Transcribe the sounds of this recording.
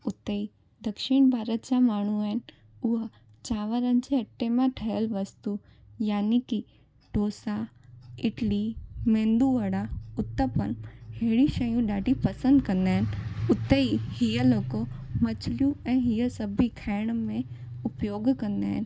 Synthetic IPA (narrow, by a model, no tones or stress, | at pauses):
ʊt̪ːei | d̪ɐkʃɪɽ̃bʱaːɾət̪̚d͡ʑamaːɳ̤̃uaːɦɪn | ʊɦə | t͡ɕaːʋəɾənɪd͡ʑeɐʈːemãʈʰɐjəlʋɐst̪u | jaːniki | ʈoːsaɪʈlimẽːnd̪uʋɐɽaʊt̪ːəpənɦeːɽiʃɐjũɗaːɖipɐsə̃nd̪kɐ̃nd̪aːɦɪnʊt̪ːeihiəloːkomɐt͡ɕljũɛ̃ːɦiəsɐbʱikʰaːɪɽ̃mẽ | ʊpjoːɡkɐ̃nd̪aːɦɪn̆